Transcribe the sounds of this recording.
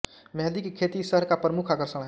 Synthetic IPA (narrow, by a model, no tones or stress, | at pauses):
mɛɦd̪ikekʰet̪isəɦəɾkapɾəmukʰakəɾsəɽ̃ɦ